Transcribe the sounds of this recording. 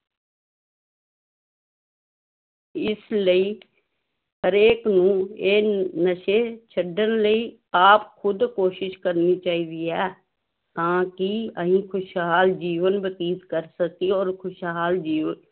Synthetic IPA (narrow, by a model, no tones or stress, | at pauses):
ɪsləiː | ɦəɾeːknũːeːnəʃeːt͡ʃʰəɖənləiː | aːpkʰʊd̪koːʃɪʃkəɾniːt͡ʃaːiːd̪iːɦɛː | t̪ãːkiəɦĩːkʰʊʃɦaːld͡ʒiːʋənbət̪iːd̪kəɾsək̚iɔːɾkʰʊʃɦaːld͡ʒiːʋən